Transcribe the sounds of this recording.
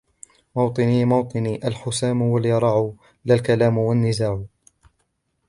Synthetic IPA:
mɑwt̪ˤɨniːmɑwt̪ˤɨniːʔalħʊsaːmʊwaljɑɾˤɑʕʊ | lalkalaːmwanːɪzaːʕʊ

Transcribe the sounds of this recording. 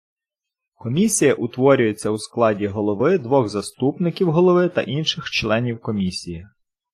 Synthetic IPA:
kɔmʲisʲijɐʔʊt̪ʋɔɾʲʊjet͡sʲːɐwsklˠɑdʲiɦɔlˠɔʋɪd̪ʋɔɣzɐst̪upnɪkʲiwɦɔlˠɔʋɪt̪ɐ̰ʔinʃɪxt͡ʃlˠɛnʲiwkɔmʲisʲiji

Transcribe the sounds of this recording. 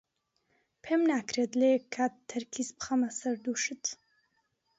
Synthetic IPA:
pʰemnaːkɾet̪lekʰːat̪ʰːɐɾkʰispχɐmɐsɐɾd̪uʃɨt̪

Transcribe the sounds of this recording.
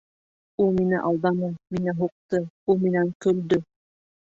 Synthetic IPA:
ulˠminɘ̰ʔɑlˠd̪ɑnɤminɘɦuq̚t̪ɤ | ulˠminæŋkɵ̆ld̪ɵ

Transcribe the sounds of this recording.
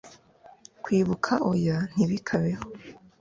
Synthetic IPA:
kwiːβukʰaʔojan̥iβikʰaβeho

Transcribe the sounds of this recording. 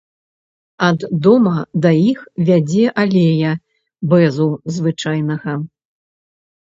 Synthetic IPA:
ɐd̪ːɔmɐd̪ɐjixvʲad͡zʲɛʔalʲejɐ | bɛzuzvɨt͡ʂajn̪ɐɣɐ

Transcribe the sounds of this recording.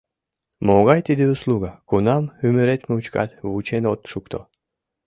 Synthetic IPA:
moɣɑjt̪id̪iuslˠuɡakunɑmymyɾet̪meut͡ɕkɑ̰t̪vut͡ɕenot̪ʃukt̪ʰo̰

